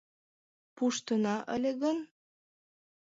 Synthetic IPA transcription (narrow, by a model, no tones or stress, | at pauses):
puʃt̪ənɑʔə̰lʲeɣən